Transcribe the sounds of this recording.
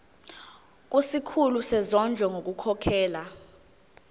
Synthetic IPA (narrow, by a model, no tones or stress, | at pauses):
k̬ʼusikʰulusɛzɔnd͡ʒʱwɔŋʱok̬ʼukʰɔkʰɛːla